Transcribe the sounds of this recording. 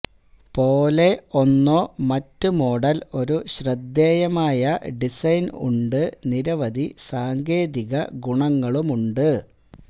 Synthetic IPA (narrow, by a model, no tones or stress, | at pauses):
po̞ːle̞o̞nːo̞ːmɐtːumo̞ːɽɐlo̞ɾuɕrɐd̪ːeːjɐmaːjɐɖisɐjnṵɳɖɨniɾɐʋɐðisaːŋɡe̞ːðiɣɐɡuɳɐŋːɐɭumuɳɖɨ